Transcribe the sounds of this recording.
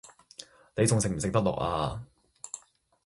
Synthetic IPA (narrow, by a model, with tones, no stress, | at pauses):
ne˨˧jt͡sʊ˨ŋsɪ˨k̚m̩˨˩sɪ˨k̚t̪ɐ˥k̚lɔ̰ː˨k̚ʔa̰ː˧